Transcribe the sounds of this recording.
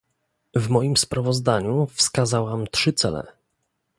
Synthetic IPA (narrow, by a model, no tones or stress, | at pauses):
vmɔjimspɾavɔzd̪aɲufskazawamt̪ʂɘt̪sɛlɛ̰